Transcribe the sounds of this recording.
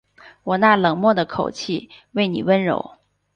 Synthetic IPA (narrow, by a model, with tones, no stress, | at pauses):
wɔ˨˩na˥˩lɤ˨˩ŋmwɔ˥˩d̪ə˩kʰo˨˩ʊt͡ɕʰi˥˩we˥˩ɪnḭ˨˩wə˥nɻo̰˧˥ʊ